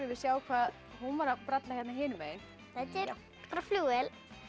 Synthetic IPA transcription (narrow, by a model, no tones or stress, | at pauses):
ɾɪvɪðsjaːwkʰvaːð | hunvaɾapɾat̪laçjɛt̪naɦɪːnʏmeːjɪn | θɛt̪ːɪɾ | kɾafluːɛl